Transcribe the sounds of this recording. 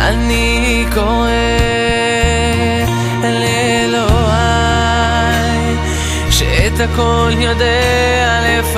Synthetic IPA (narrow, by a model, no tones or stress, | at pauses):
ʔa̰ni | koʁe | le | lo | a | j | ʃḛet̪hakoljod̪e | alef